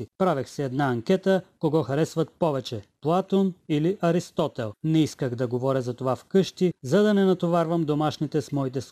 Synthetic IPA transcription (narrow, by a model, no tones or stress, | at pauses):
ipɾavɛxsɛɛd̪naɐŋkʲɛt̪əkoɡɔxɐɾɛsvɐt̪̚pɔvɛt͡ʃɛplˠat̪oniliʔɐɾist̪ɔt̪ɛlˠnɛiskəɣd̪ɐɡovɔɾʲəzɐt̪ovafkɤʃt̪izɐd̪ɐnɛnɐt̪ovaɾvɐmd̪omaʃnit̪ɛsmɔit̪ɛs